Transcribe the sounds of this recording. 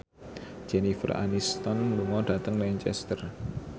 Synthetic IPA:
d͡ʒ̥ɛnifə̰ra̰nist̪ɔnluŋɔɖat̪əŋlɛnt͡ʃɛ̰st̪ər

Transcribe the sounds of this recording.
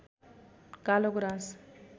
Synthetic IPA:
kaloɡɾãs

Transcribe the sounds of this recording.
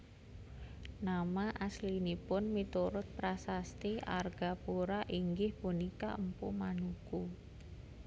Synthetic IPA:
namaʔaslinipʊnmit̪uɾʊt̪̚pɾasast̪ia̰rɡ̥a̤puɾaʔiŋɡɪhpunikaəmpumanuku

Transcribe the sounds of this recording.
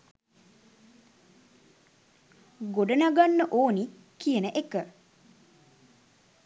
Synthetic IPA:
ɡoɖənaɡanːəʔoːni | kijənəʔekə

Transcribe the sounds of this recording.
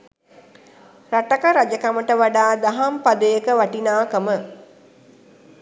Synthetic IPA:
ɾaʈakəɾad͡ʒəkaməʈəʋaɖaːd̪aɦampad̪əjəkəʋaʈinaːkəmə

